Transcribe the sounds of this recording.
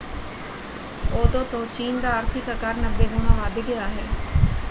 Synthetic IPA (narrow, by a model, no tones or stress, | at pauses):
oːd̪õːt̪õːt͡ʃiːnd̪aːaːɾt̪ʰɪkəkaɾnəbːeːɡʊnaːʋaːd̪iɡɪjaːɦɛː